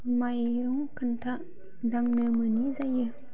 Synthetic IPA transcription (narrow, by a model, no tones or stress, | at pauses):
majɾuŋkant̪ʰaʔ | daŋnəmənizajə